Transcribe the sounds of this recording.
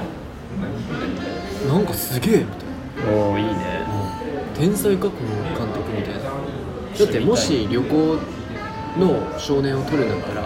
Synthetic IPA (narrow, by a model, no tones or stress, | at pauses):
nãŋkasɨɡʲe̞ːmit̪a | aːiːnḛɯ̃ | t̪ẽ̞ɰ̃saikako̞nokãnt̪o̞kɯ̟mʲit̪aina | d̪̥at̪ːe̞mo̞ɕiɾʲjo̞koː | no̞ɕo̞ːnẽ̞ɰ̃o̞t̪o̞ɾɯ̟nãt̪ːaɾa